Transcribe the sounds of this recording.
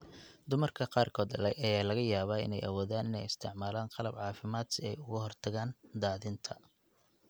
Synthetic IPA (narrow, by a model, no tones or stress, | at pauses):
d̪ʊmɐrkʰɐqɑːrkʰɔːd̪ɐlɛʔɐjaːlɐɣɐjaːβaːɪ̰nɛ̰jʔɐ̰wɔːðaːnɪnɛjɪst̪ʰɪʕmaːlaːnqɑlɐbʕɑːfɪmaːd̪sɪɛ̰jʊɣʊɦɔrt̪ʰɐɣaːnd̪aːðɪnt̪ʰɐ̥